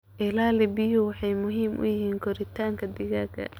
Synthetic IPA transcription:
ʔɪlaːlɪbɪjʊwɑħɑjmʊɦiːmʔʊ̰jɪɦiːŋkʰɔɾɪt̪ʰaːŋkʰɐd̪ɪɣaːkʰɐ̰

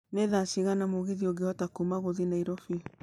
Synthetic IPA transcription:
neðasiɣanamoɣeðioɡeɔtakumaɣoðinaiɾɔfi

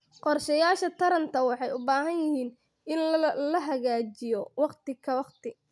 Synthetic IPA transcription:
qɔrʃɐjaːʃɐt̪ʰɐɾɐnt̪ʰɐwɑħɑjʊbaːɦɐnjɪhiːn | ɪnlɐɦɐɣaːt͡ʃɪjɔwɑqt̪ɪkʰɐwɑqt̪ɪ

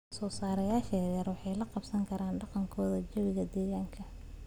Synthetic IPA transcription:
sɔːsaːɾɐjaːʃɛːjɐrwɑħɑjlɐqɑbsɐŋkʰɐɾaːnɖɑqɑŋkʰɔːðɐd͡ʒɐβɪɣɐd̪ɛːɣaːŋkʰɐ

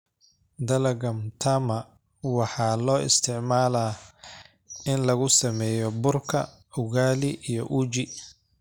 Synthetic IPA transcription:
d̪ɐlɐɣɐmt̪ʰɐmɐ | wɑħɑːlɔːɪ̰st̪ʰɪʕmaːlaː | ɪnlɐɣʊsɐmɛːjɔbʊrkʰɐ̰ | ʊɣaːlɪʔijɔʔuːt͡ʃɪ

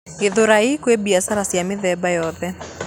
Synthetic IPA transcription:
eðoɾaikwebiasaɾasjamɪðɛbajɔðɛ

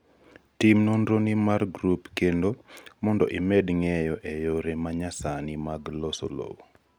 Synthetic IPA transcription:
timnondɾonimarɡɾupkendomɔndɔ̰ʔɪmɛdŋɛjɔʔejoɾemaɲasanɪmaɡloso̰lo̰wo

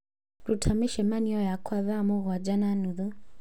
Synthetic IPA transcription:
ɾutʰamiʃɛmaniɔjakʰwaβamɔɣwad͡ʒananuðɔ

